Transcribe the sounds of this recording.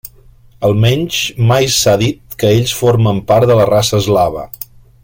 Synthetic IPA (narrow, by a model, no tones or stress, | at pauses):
əlˠmɛɲʲt͡ʃmajsaðit̪̚kəeʎsfoɾməmpaɾt̪ðələrasəːzlaβ̞ə̰